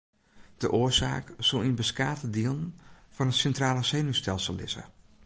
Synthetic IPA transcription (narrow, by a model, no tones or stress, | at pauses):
d̥əʔoːəɹsa̰ːkz̥olˠinbəskaːtədiəlˠənfɔnətsɛntraːlˠəseːnystɛlˠsəlˠːɪ̰zə̰